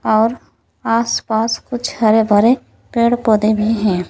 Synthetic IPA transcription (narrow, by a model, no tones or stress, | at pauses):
ɔːɾ | aːspaːskʊt͡ʃʰhɐɾebʱəɾe | peːɽpoːd̪ebʱiɦɛ̃ː